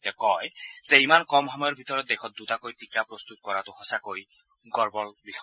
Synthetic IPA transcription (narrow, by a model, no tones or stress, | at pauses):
tɛkɔjzeimankɔmɦɔmɔjɔɹbʱitɔɹɔt̚dexʰɔt̚dutakojtikapɹɔst̪ut̚kɔɹatʊhɔsakoɹi | ɡɔɹbɔlbix